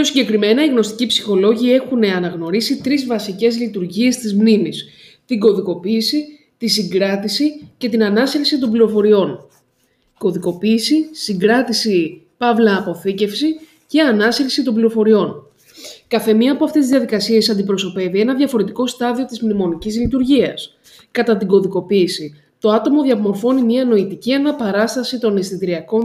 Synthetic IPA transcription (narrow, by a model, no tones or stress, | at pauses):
osiɲɟe̞kɾime̞nɐiɣno̞st̪i̥cipsi̥xo̞lo̞ʝie̞xune̞ɐnɐɣno̞ɾisit̪ɾizvɐsice̞zlit̪uɾʝie̞st̪izmnimis | t̪iɡo̞ðiko̞piːsi | t̪isiŋɡɾɐt̪isice̞t̪inɐnɐsɾiksit̪o̞mbliɾo̞fo̞ɾio̞n | ko̞ðiko̞piːsisiŋɡɾɐt̪isi | pɐvlɐːpo̞θice̞fsi | ce̞ɐnɐsɾksit̪o̞mbliɾo̞fo̞ɾio̞n | kɐθe̞miɐːpoɐft̪esizðʝjɐðikɐsie̞sɐnd̪ipɾo̞so̞pe̞vie̞nɐðʝɐfo̞ɾe̞t̪i̥ko̞st̪ɐðio̞t̪izmnimo̞nicizlit̪uɾʝiɐ̰s | kɐt̪ɐt̪iɡo̞ðiko̞piːsi | t̪o̞ɐt̪o̞mo̞ðʝɐvmo̞ɾfo̞nimɲiɐno̞it̪iciɐnɐpɐɾɐst̪ɐsit̪o̞nest̪it̪ɾiɐko̞n